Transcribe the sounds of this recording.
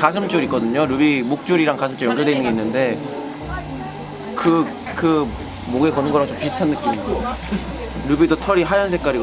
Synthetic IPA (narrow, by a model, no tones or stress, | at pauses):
kas̬ʰɯmt͡ɕ͈oɾik͈ʌdɯɲoɾubimok̚t͡ɕ͈uɾiɾaŋkasʰɯmt͡ɕ͈ojʌŋɡʌɭdeinɯŋeinːɯnde̞ | kɯ | kɯ | moɡekʌnɯnŋɡʌɾaŋt͡ɕompisʰɯ̥tʰanːɯk͈imio | ɾubidotʰʌɾiɦajʌnsʰek͈aɾiɡ